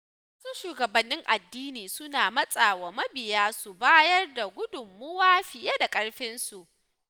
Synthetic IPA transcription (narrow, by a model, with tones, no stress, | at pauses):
wa˦sʊ˦ʃuː˨ɡɐ˨bɐ˨nːɪ˦ŋʔa˨dːiː˦niː˨sʊ˦naː˨mɐ˦sʼaː˨wa˨mɐ˦bɪ˨jaː˦su˨baː˦jɐ˦rda˨ɡʷʊ˦dʊ˨mːʊ˦waː˦ɸɪ˨je˦da˨kʼɐ˦ɽɸɪ˦nsu˨ʔ